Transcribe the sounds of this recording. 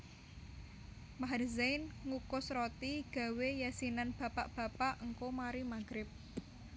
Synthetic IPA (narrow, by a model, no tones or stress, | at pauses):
maɦrzajnŋukʊsɾot̪iɡ̥a̤wejasinanb̥a̤paʔb̥ä̤paʔŋkomaɾimaɡ̥ɾɪp̚